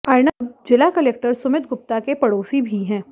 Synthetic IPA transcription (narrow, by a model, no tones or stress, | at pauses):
aːɪnaːbd͡ʒɪlakɐleːk̚ʈəɾsʊmɪt̪ɡʊp̚t̪akepɐɽoːsibʱiɦɛ̃ː